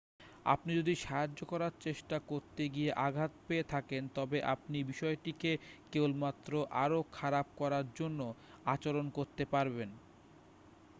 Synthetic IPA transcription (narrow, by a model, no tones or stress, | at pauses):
a̰pnid͡ʑod̪iʃaɦad͡ʑːokɔɾaɾt͡ɕeʃʈakoɾt̪eɡieʔaɡʱat̪peet̪ʰakent̪ɔbeʔa̰pnibiʃɔeʈikekewlmat̪ːɾoʔaɾokʰaɾab̚kɔɾaɾd͡ʑonːo | at͡ɕoɾonkoɾt̪epaɾben